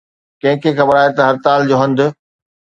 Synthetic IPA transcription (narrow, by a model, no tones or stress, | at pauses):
kɐ̃ɦɪ̃kʰexɐbəɾaːɦet̪ɐɦɐɾt̪aːld͡ʑoːɦɐ̃nd̪ʊ